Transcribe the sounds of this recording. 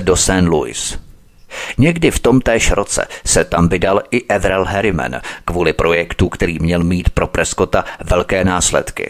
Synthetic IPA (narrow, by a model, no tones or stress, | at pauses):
do̞sɛnlṵɪ̰s | ɲɛɡdɪft̪o̞mt̪ɛːʃɾʔo̞t͡sɛ̰sɛt̪amvɪdalʔɪʔɛvɾɛlɦɛɾɪmɛ̰nkvuːlɪpɾʔo̞jɛkt̪ukt̪ɛɾiːmɲɛlmiːt̪pɾo̞pɾɛsko̞t̪avɛlkɛːnaːslɛ̰t̪kɪ̰